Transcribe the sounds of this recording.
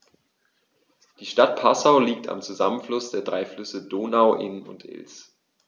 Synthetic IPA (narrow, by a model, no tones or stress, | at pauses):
d̥iːʃtat̚pʰasaʊliːk̚ta̰mt͡suzamənflʊsd̥eːɐdʁaɪflʏsədoːnaʊʔɪnʊ̰ntʰʔɪ̰ls